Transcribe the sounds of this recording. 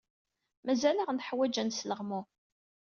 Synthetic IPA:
mæzælæʁnħwæd͡ʒænsləʁmʊ

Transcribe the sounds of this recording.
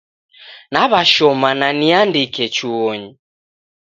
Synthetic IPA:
naβaʃɔmananiandikɛt͡ʃuɔɲi

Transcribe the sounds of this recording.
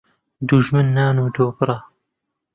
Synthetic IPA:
d̪uʒmɨnːaːnuːd̪oːbɨɾˤɑ

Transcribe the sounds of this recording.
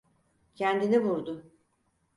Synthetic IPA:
cʰænd̪inivuɾd̪ʊ

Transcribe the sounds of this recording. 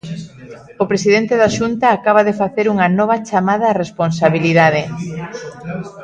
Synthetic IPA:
opɾesiðent̪eðaʃunt̪aːkaβɐðefaθeɾuŋɐnɔβɐt͡ʃamaðɐresponsaβiliðað̞e

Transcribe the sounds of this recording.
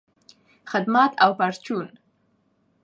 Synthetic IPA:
xɪd̪mat̪ʰawpaɾt͡ʃun

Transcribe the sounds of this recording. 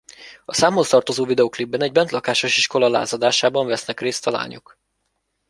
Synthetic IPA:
ɒsaːmolst̪ɒrt̪o̞zoːvid̪ɛoːklibːɛnɛɟ̚bɛnt̪lɒkaːʃo̞ʃiʃko̞lɒla̰ːzɒd̪aːʃaːbɒɱvɛsnɛkreːst̪ɒla̰ːɲṵk

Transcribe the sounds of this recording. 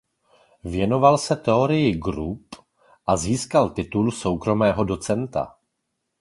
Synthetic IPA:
vjɛno̞valsɛt̪ɛo̞ɾɪjɪɡɾup | ʔaziːskalt̪ɪt̪ulso̞wkɾo̞mɛːɦo̞do̞t͡sɛnt̪a̰

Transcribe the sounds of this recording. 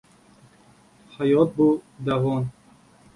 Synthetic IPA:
hajɔt̪̚bud̪avɔn

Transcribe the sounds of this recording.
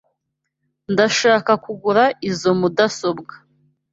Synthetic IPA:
ndaʃaːkakuɡuɾaʔizo̞mudaso̞bɡḁ

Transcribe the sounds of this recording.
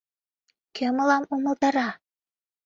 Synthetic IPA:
kʰʲøməlɑmuməlt̪ɑɾɑ

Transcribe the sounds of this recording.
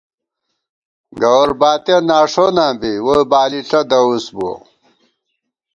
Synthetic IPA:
ɡɐwɾbaːt̪enaːʂonãːbiwobaːliɬɐd̪ɐusbo

